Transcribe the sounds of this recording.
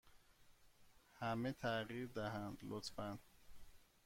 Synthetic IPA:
hæmet̪ʰæɢiːɾd̪æɦænd̪lot̪fæn

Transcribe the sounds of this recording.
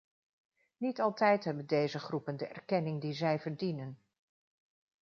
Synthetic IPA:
nitɑlˠtɛjtɦɛbəndejzəχrupəndəʔɛ̰ɹkɛnɪŋdizɛjvəɹdinən

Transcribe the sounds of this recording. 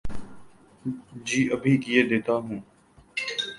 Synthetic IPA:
d͡ʒiːʔəbʱiːkɪjeːd̪eːt̪aːɦũː

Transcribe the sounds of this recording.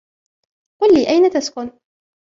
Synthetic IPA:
qʊlːiːʔajnat̪askʊn

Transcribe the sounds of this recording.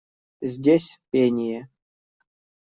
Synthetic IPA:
zʲdʲesʲpʲenʲije

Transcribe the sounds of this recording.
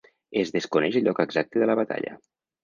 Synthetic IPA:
ezðeskunɛʃəʎɔkəɡzak̚t̪əðələβat̪a̰ʎə̰

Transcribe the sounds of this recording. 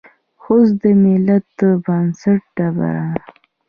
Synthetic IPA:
xosd̪əmɪlat̪̚ːəbansaʈ̚ɖaba̰ɾa

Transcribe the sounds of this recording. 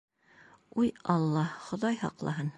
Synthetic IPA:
ujɑlˠːɑχŏðɑjhɑ̰qlˠɑɦɤn

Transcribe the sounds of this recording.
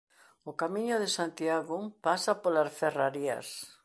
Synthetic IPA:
okamĩɲʊðesant̪iaɣʊpasapolasferaɾia̰s

